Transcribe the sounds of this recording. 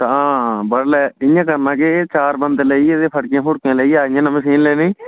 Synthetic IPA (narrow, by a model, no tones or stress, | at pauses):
t̪ãːbəɽlɛːɪjãːkəɾnãːkɪt͡ʃaːɾbənd̪ləiːed̪eːpʰəɽkẽːpʰʊɽkẽːləiːaːɪjãːnəməsiːnleːneː